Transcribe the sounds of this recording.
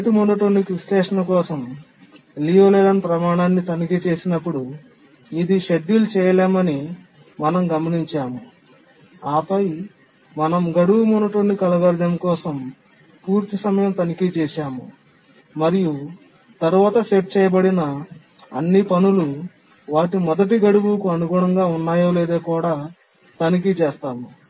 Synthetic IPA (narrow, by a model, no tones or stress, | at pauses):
t̪imunːɐʈoɳɖikɾisʈɛːʂɐnɐkɔːsɐm | liːoːlelɐnpɾɐmaːɳaːnːit̪ɐnikit͡ʃe̞ːsinɐpːuɽu | id̪iʃeɖ̪ːilut͡ʃɛːjɐlɛːmɐni | mɐnɐmɡɐmɐniɲt͡ʃaːmu | aːpɐj | mɐnɐmɡɐɽuwumunːɐʈoɳɖikɐlɐʋɐɾɡɐmkɔːsɐm | puːɾt̪isɐmɐjɐmt̪ɐnikit͡ʃɛːʃaːmu | mɐɾiju | t̪ɐɾuʋaːt̪ɐseʈ̚t͡ʃɛːjɐbɐɽinɐ | ɐ̰nːipɐnulu | ʋaːʈ̬imɔd̪ɐʈ̬iɡɐɽuʋulkuɐnuɡuːɽɐŋɡaːunːaːjoːlɛːd̪eːkuːɽaː | t̪ɐnik̬it͡ʃɛːst̪aːmu